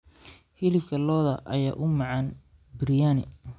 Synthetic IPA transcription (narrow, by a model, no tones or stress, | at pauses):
hɪlɪbkʰɐlɔːðɐʔɐ̰ja̰ːʔʊmɑʕɑn | bɪɾjaːnɪ̰